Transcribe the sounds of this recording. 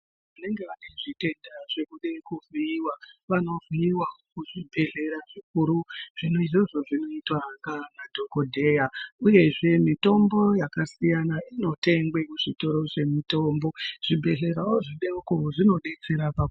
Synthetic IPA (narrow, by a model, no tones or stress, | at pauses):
ʋane̞ŋɡe̞ʋaneʐite̞ndaʐe̞kuɗekuviiwaʋano̞viiwakuʐibʱe̞ɮe̞ɾaʐik̚uɾuʐ̥inoiʐoʐo̞ʐino̞itwakanadʱo̞ko̞dʱe̞jauje̞ʐe̞mito̞mbo̞jakasijanaʔino̞te̞ŋɡwekuʐito̞ɾo̞ʐe̞mito̞ːmbo̞ʐ̥ibʱe̞ɮe̞ɾawoʐiɗeukoʐino̞ɗe̞t͡se̞ɾapa